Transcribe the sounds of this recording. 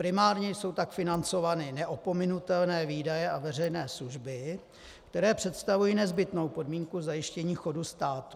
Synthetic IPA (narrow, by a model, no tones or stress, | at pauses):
pɾɪmaːɾɲɛjso̞wt̪akfɪnant͡so̞vanɪnɛʔopo̞mɪnut̪ɛlnɛːviːdajɛʔavɛrɛjnɛːsluʒbɪ | kt̪ɛɾɛːpr̝̥ɛt̪st̪avujiːnɛzbɪt̪no̞wpo̞dmiːŋkuzajɪʃcɛɲiːxo̞dust̪aːt̪u̥